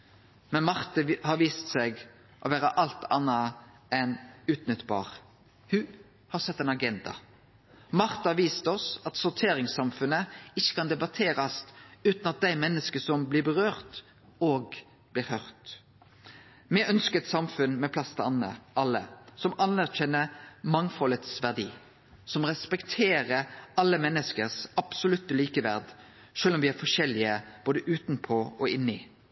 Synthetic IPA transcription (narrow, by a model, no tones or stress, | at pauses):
mɛnmɑʁt̪əhɑɾʋiːst̪sɛɡ | ʔoʋæːɾɑʔɑlt̪ʰɑ̰nːɑ | ʔɛnʉːt̪nʏt̪ːbɑ̰ːʁ | hʉ | hɑɾsɛt̪ːɛːnɑɡɛnd̪ɑ̰ | mɑʁt̪ɑhɑɾʋiːst̪ɔsɑt̪sʊt̪ʰeːɾɪŋsɑmfʉnəɪçːə̥kɑnd̪ɛbɑt̪ʰeːɾɑst̪ʉːt̪nɑt̪̚d̪æɪmɛnːəskəsɔmblɪbəʁøːʁt̪ | oːɡ | b̥lɪːɾhœʁt̪ | mɛœnskəɾɛt̪sɑmfʉnmɛpʰlɑst̪ɑ̰nːə̰ʔɑlːə̰sɔmɑnæʁçɛnːəmɑŋfɔlət̪sʋæʁd̪iː | sɔmʁɛspɛkt̪ʰeːɾəɑlːəmɛnːəskəɾsɑb̥sʊlʉt̪ːəliːkəʋæ̰ɾd̪ | ʃøːlɔmʋɪæɾfɔʃɛlɪəb̥oːd̪əʔʉːt̪npʰɔɔɪnːɪ